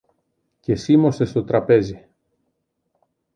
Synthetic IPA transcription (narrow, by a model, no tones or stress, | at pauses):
ce̞simo̞sest̪o̞t̪ɾɐpe̞zi